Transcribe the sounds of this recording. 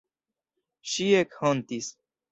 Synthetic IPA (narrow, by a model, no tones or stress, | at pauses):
ʃiekhont̪is